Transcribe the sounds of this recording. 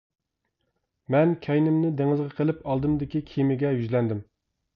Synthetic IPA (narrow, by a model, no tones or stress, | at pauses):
mɛnkʲʰɛjnɪmnɪd̪eŋɨzʁɑqʰəlˠɪpɑlˠd̪ɨmd̪ɪkʲikʲʰimɪɡʲɛjyzlɛnd̪ɪm